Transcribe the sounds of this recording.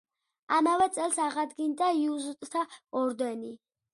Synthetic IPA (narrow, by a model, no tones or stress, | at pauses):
amavɛt̪sʼɛlˠsaʁad̪ɡind̪aiuzut̪ʼt̪ʰaɔɾd̪ɛni